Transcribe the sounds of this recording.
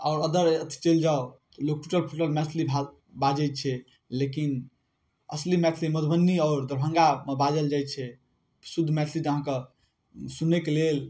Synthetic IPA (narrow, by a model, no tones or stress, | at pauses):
aːɾəd̪əɾət̪ʰi̥t͡ʃeld͡ʒaot̪lok̚ʈuʈəlpʰuʈəlmeəslibʱa | bad͡ʒət̪̚t͡ʃʰɛ | lekin | əslimɛt̪ʰliməd̪ʱbʱənːiɔːɾd̪əɾbʱə̃ŋɡamebad͡ʒəld͡ʒaj̪t͡ʃʰɛ | psud̪ʱːmɛt̪ʰlid͡ʒəɦãke | sunekelel